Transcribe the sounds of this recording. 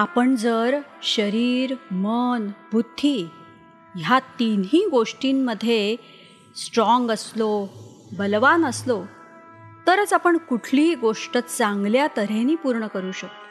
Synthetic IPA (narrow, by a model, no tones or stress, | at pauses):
apəɳd͡zəɾɕəɾiːɾmənbʱud̪ʱːi | ɦjat̪iniːɡoʂʈimːəd̪ʱːje | sʈɾɔŋɡəslo | bəlʋanəslo | t̪əɾət͡sapəɳkuʈʰliːɡoʂʈət̪t͡sãŋɡljat̪əɾeniːpuɾɳəkəɾuːɕəkt̪o